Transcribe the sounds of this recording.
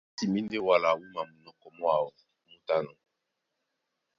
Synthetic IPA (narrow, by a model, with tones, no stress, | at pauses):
ti˨mi˦nde˦wa˦la˨wu˦ma˨mu˨nɔ˨kɔ˨mɔ˦a˨wɔ˨ | mu˦ta˦nɔ˨